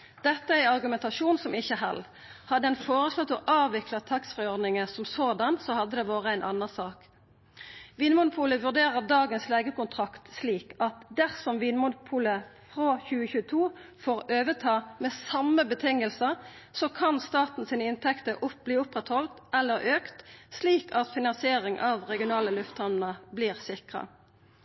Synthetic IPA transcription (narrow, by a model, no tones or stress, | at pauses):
d̪̥ɛt̪ːəæɪɑʁɡʉmɛnt̪ɑʂuːnsɔmɪçəɦɛ̰lː | hɑd̪əɛnfoːʁəslɔt̪ːɔʔɑːʋʋɪklɑt̪ʰɑksfʁɪɔʁd̪nɪŋəsɔmsod̪ɑnsɔhɑd̪ːəd̪ɛʋɑːʁəæɪnʔɑ̰nːɑnsɑːk | ʋɪnəmʊnʊpʰuːləʋʉʁd̪eːʁəʁd̪ɑːɡənsleːɡəkʊnt̪ʰʁɑkt̪sliːkɑt̪d̪æʁsɔmʋɪnmʊnʊpʰuːləfʁoçʉːəçʉːət̪ʰuːfoːʁøːʋət̪ʰɑːmeːsɑmːəbət̪ʰɪŋəlsəʁ | sɔkʰɑnst̪ɑːt̪n̩siːnəɪnt̪ʰɛkt̪əʁʔʊb̥liːʊpʁɛt̪hɔlt̪ʔɛlːəʁøːkt̪sliːkɑt̪fɪnɑnsɪeːʁɪŋʔɑʋʁɛɡɪʊnɑːləlʉft̪hɑnnəbliːʁsɪkʁɑ̰